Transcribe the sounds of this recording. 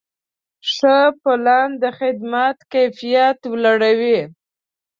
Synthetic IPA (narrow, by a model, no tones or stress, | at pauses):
ʂəpʊland̪əxɪd̪mat̪kajfijat̪wlaɽawi